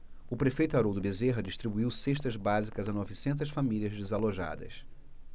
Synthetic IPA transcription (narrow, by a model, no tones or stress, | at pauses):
ʊpɾefejt̪ʊaɾowd̪ʊbezeɦɐd͡ʒiʃt̪ɾibuiwseʃt̪ɐzbazikɐzɐnɔvisẽnt̪̬ɐsfamiliɐzd͡ʒezaloʒa̰d̪ɐ̰s